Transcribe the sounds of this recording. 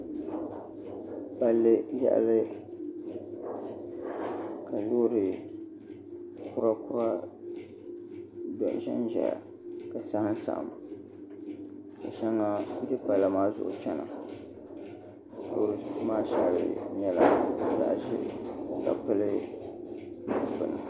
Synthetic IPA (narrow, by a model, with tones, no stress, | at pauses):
ba˨lːɨ˦ja̰˦ʔa˦lɪ˦ | ka˨loː˦ɾɨ˨ | kʊ˦ɾa˦kʊ˦ɾa˦ | do˨ʔʃɛ̰˦nʒɛ̰˨ | ka˨sa˦hɨ˦n˦sa̰˨ʔa̰˨ma˨ | ka˨ʃa˦ŋːa˦dɨ˦pa˨la˨maː˦zʊ̰˦ʔʊ̰˨t͡ʃɛ˦na̰˨ | loː˦ɾɨ˨˦maː˦ʃa˨lɨ̰˨ɲɛ˨la̰˨za̰˨ʔʒɪ̰˦ka̰˨pɨ˦lɨ˦ | pʊ˨nɨ˨